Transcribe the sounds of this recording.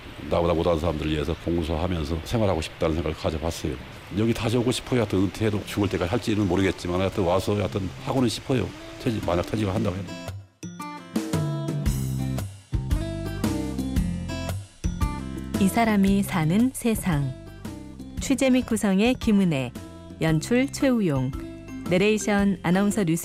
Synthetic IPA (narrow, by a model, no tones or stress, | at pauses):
nabodamodansʰaɾamdɯɾɯɭiesʰʌkoŋɡusʰʌɦamjʌns̬ʰʌsʰe̞ŋwaɾɦhaɡoɕʰi̥p̚t͈anɯnsʰeŋɡaɣɭkad͡ʑʌpas͈ʌjo̰ | jʌɡitaɕ̬ʰioɡoɕʰi̥pʰʌjoatʰʌnɯntʰedot͡ɕuɡɯɭt͈e̞k͈aɦaɭt͡ɕ͈imɯnmoɾɯɡet̚t͡ɕ͈imanatʰɯwasʰʌatʰɯnhaɡonɯnɕʰi̥pʰʌjo̰ | tʰeimaɲaktʰʌd͡ʑiɡaɦandaɡoet | isʰaɾamisʰanɯnsʰe̞sʰaŋ | t͡ɕʰwed͡ʑe̞mik͈usʰʌŋe̞kimune̞ | jʌnt͡ɕʰuɭt͡ɕʰwe̞ujoŋː | eɾeiɕʰʌnanaunsʰʌnus